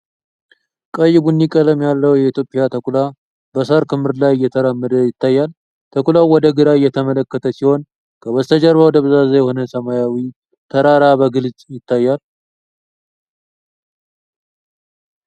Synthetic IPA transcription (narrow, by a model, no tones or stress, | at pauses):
kʼəjːɪβunːikʼələmjalːəwjɛit̪jo̞pʼɪjat̪ʰəkʼula | bəsaɾkʰɨmːɨɾlajɪjːɛt̪ʰəɾamːəd̪əjɪt̪ːajːal | t̪ʰəkʷʼulawɔd̪əɡɨɾajːɛt̪ʰəmələkːət̪ʰəsiho̞n | kʰəwɔst̪ʰəd͡ʒəɾβawɔd̪əβzazəjɛho̞nəsəmajawi | t̪ʰəɾaɾabəɡɨlzʼjɪt̪ʰːajːal